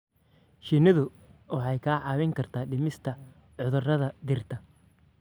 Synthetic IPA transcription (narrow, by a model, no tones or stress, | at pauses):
ʃinɪðʊ | wɑħɑjkʰaːʕɑːwɪŋkʰɐrt̪ʰaːɖɪmɪst̪ʰɐ | ʕʊðʊrɐðɐd̪ɪrt̪ʰɐ